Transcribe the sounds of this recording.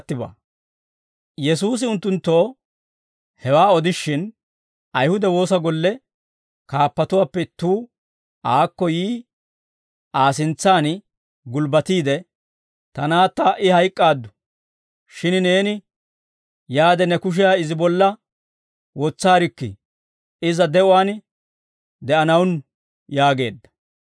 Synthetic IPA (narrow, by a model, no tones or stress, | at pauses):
t̪ːɪba̰ː | jɛsuːs̬ɪʊnt̪ːʊnt̪ːo̞ː | hɛwaːɔd̪ɪʃːɪn | ɐjhʊd̪ɛwo̞ːsɐɡɔlːɛ | kaːpːɐt̪ʊwaːpːɛt̪uː | ʔaːkːɔjiː | ʔaːs̬ɪnt͡sːaːn | ɡʊlbɐt̪iːd̪ɛ | t̪ɐnaːt̪ːɐʔɪhɐjkʼːaːd̪ːʊ | ʃɪnne̞ːnɪ | jaːd̪ɛnɛkʊʃ̬ɪjaːɪzɪbɔlːɐ | wɔt͡sːaːɾɪkːɪ̰ | ɪzɐd̪ɛʔʊwaːn | d̪ɛʔɐnɐwn | jaːɡe̞̰ːd̪ːɐ̥